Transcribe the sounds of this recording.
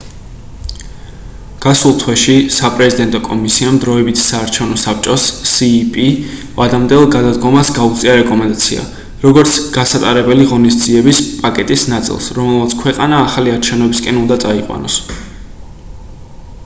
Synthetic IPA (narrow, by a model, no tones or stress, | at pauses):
ɡ̥asulˠt̪ʰwɛʃisapʼɾɛzid̪ɛnt̪ʼɔkʼɔmisiamd̪ɾɔɛbit̪ʰsaːɾt͡ʃʰɛvnɔsap̚ʰt͡ʃʼɔsːiːpʼi | vad̪amd̪ɛlˠɡad̪ad̪ɡɔmasɡaut̪sʼiaɾɛkʼɔmɛnd̪at̪sʰḭa̰ | ɾɔɡɔɾt̪sʰɡ̥asat̪ʼaɾɛbɛliʁɔnisd̪ziɛbispʼakʼɛt̪ʼisnat̪sʼḭlˠsɾɔmɛlˠmat̪sʰkʰwɛqʼanaːχaliaɾt͡ʃʰɛvnɛbiskʼɛnund̪at̪sʼaiqʼwa̰nɔs